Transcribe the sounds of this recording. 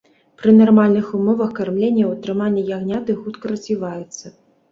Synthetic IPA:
pɾɨnarmalʲnɨxumɔvɐxkarmlʲenʲːɐwat̪ɾɨmanʲːɐjaɣnʲat̪ɨxut̪kɐɾɐzʲvʲivajut̪sːɐ

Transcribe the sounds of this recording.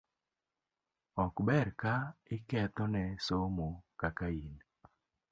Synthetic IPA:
ɔkbɛɾkaɪkɛt̪ɔnɛsomokakain

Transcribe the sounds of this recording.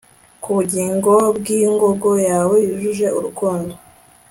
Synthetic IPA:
kuβuɟiːŋɡo̞bɡiŋɡo̞ɡo̞jaːwejuʒuʒe̞ʔuɾukuːndo

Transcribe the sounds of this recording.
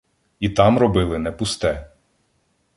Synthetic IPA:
it̪ɑmɾɔbɪlˠɪnɛpʊst̪ɛ

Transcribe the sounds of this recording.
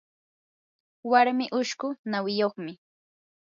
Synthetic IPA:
waɾmɪʔʊʃkʊnawɪjoχmɪ

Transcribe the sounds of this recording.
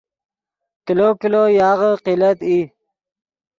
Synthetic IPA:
kilokilojɑːʁəqilat̪i

